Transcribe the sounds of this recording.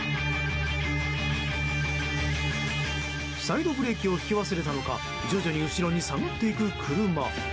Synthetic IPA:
said̪o̞bɯ̟ɾe̞kʲio̞çi̥kʲiβaseɾe̞t̪ano̞ka̰ | d͡ʑo̞ʑoɲ̟iɯ̟ɕiɾo̞ɲ̟isaŋot̪ːe̞ikɯ̟kʰɯ̟ɾɯ̟ma

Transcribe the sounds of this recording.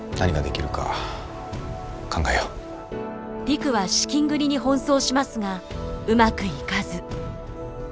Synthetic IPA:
naɲiɡad̪e̞kʲiɾɯ̟ka̰ | kʰãŋɡaeo | b̥ʲikɯ̟βaɕi̥kʲĩŋɡɯ̟ɾʲiɲ̟ihõ̞ɰ̃so̞ːɕimasɨɡaɯ̟makɯ̟ikazɨ

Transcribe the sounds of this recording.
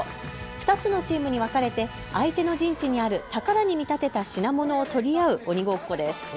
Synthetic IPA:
ɸɯ̟̥t̪at͡sɨno̞t͡ɕiːmɯ̟ɲ̟iβakaɾe̞t̪e̞ | ait̪e̞no̞ʑĩɲ̟t͡ɕiɲ̟iaɾɯ̟t̪akaɾaɲ̟imʲit̪at̪e̞t̪aɕinamo̞no̞ːt̪o̞ɾʲiaɯ̟o̞ɲ̟iɡo̞ːkkːo̞d̪e̞sɨ̥

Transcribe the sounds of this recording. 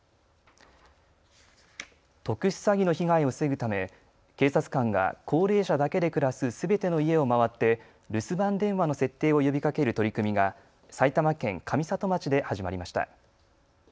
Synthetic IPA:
t̪o̞kɯ̟ɕɨ̥saɡʲinoçiɡaio̞seɡɯ̟t̪ame̞ | ke̞ːsat͡sɨ̥kãŋɡa̰kʰo̞ːɾe̞ːɕad̪ake̞d̪e̞kɯ̟ɾasɨsɨbe̞t̪e̞no̞ie̞omaβat̪ːe̞ | ɾɯ̟sɨbãnd̪ẽ̞ɰ̃βano̞se̞t̪ːe̞ːo̞jo̞bʲikake̞ɾɯ̟t̪oɾʲikɯ̟mʲiɡa | sait̪amakẽ̞ŋkʰamʲisat̪o̞mat͡ɕid̪e̞haʑimaɾʲimaɕi̥t̪a̰

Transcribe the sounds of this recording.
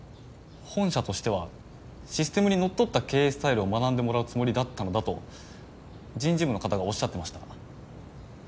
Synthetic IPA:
hõ̞ɰ̃ɕat̪o̞ɕi̥t̪e̞β̞a | ɕisɨ̥t̪e̞mɯ̟ɲ̟ino̞t̪ːo̞t̪ːake̞ːesɨ̥t̪aiɾɯ̟o̞manãnd̪e̞mo̞ɾaɯ̟t͡sɨmo̞ɾʲid̪at̪ːano̞d̪at̪o̞̰ | d͡ʑĩɲ̟d͡ʑibɯ̟no̞kat̪aɡao̞ɕːat̪ːe̞maɕi̥t̪a

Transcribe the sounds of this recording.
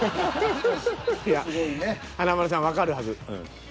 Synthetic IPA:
jasɨɡoinehanamaɾas̬ãβakaɾɯ̟ɦazɨɯ̰̃

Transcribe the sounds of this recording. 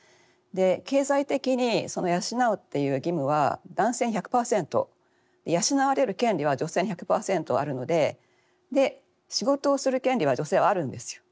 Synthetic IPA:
d̪e̞ke̞ːzait̪e̞kʲiɲ̟iso̞no̞jaɕinaot̪ːe̞jɯ̟ːɡʲimɯ̟βa̰d̪ãɰ̃se̞ːɲ̟içakɯ̟̥paːsẽ̞nt̪o̞̰ | d̪̥e̞jaɕinaβaɾe̞ɾɯ̟kẽ̞nʲɾʲiβad͡ʑo̞se̞ːɲiçakɯ̟̥paːsẽ̞nt̪o̞a̰ɾɯ̟no̞d̪e̞ | d̪e̞ | ɕiɡo̞t̪o̞ːsɨɾɯ̟kẽ̞nʲɾʲiβ̞ad͡ʑo̞se̞ːβaːɾɯ̟̃nd̪e̞sɨ̥jo̞̥

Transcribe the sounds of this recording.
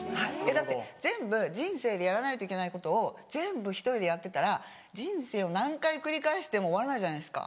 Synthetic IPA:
ajad̪at̪ːezẽ̞mbɯ̟d͡ʑĩɰ̃se̞ːd̪e̞jaɾanait̪o̞ike̞naiko̞t̪o̞ːzẽ̞mbɯ̟çi̥t̪o̞ɾʲid̪e̞jat̪ːe̞t̪aɾa | d͡ʑĩɰ̃se̞ːo̞nãŋkaikɯ̟ɾʲikaeɕi̥t̪e̞mo̞ːβaɾanaiʑanasɨ̥ka̰

